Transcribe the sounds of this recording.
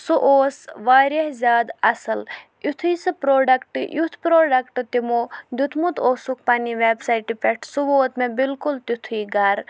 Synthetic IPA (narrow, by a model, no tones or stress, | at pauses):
suʔoːsʋaːɾɐɦzʲjaːd̪ɐsɐl | ut̪ʰisɨpɾoːɖɐkʈjut̪ʰpɾoːɖɐkʈt̪imoːd̪ʲut̪ʰmut̪ʰoːsuk̚pɐniʋeːbsajʈipɛʈʰsuʋoːt̪mẽbilkult̪ut̪ʰuiːɡɐɾ